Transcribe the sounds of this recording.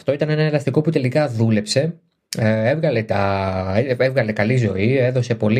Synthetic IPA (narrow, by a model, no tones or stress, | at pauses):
ft̪o̞it̪ɐne̞nɐe̞lɐst̪iko̞put̪e̞likɐðule̞pse̞ | evɣɐle̞t̪ɐ | evɣɐle̞kɐlizo̞ie̞ðo̞se̞po̞l